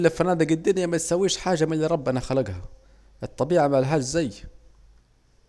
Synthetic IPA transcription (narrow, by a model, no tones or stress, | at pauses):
lːɪfanaːd̪ɪɡɪd̪ːɪnjamat̪sawːiːʃħaːʒamɪnliɾˤɑbːʔanaxalaɡha | ʔɨt̪ˤːɑbiːʕamaʕlɦaːzːaj